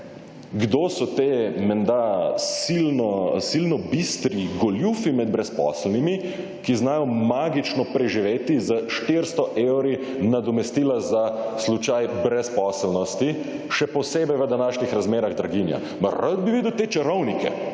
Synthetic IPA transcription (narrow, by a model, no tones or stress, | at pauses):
ɡd̪oːsɔt̪eːmɛnd̪asilnɔsilnɔbist̪ɾiɡɔljufimɛd̪̚bɾɛspɔ̰ːslnimi | kiznaːjɔmaːɡit͡ʃnɔpɾɛʒiʋeːt̪izəʃt̪eɾst̪ɔʔewɾi | nad̪ɔmɛst̪iːlazaslut͡ʃajbɾɛspɔːslnɔst̪i | ʃɛpɔseːbɛjʋəd̪anaːʃnixɾazmeːɾaɣd̪ɾaɡinja̰ | məɾəd̪̚biʋid̪əwt̪eːt͡ʃɐɾɔwnikɛ̰